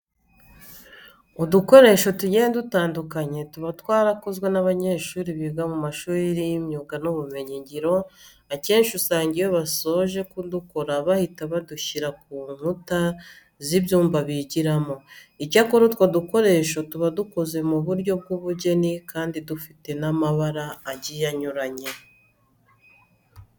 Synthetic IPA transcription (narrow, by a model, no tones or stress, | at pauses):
oduko̞ɾe̞ːʃo̞tuɟenedutaːndukaɲe̞tuβatwaːɾakozɡwe̞naβaɲe̞ːʃuːɾiβiɡamumaʃuːiɾimɲuːɡanoβume̞ɲiɲɟiɾo̞ | ace̞ːnʃusaːɲɟijo̞βaso̞ːʒe̞kudukoɾaβahitaβaduçiɾak̚uːnuta | ziβjuːmbaβiɟiɾamo̞icakoɾutwoduko̞ɾe̞ːʃotuβaduko̞ze̞muβuɾɟo̞b̚ɡuβuɟe̞nikaːndidufite̞namaβaɾaːɟijaɲuɾaɲe̞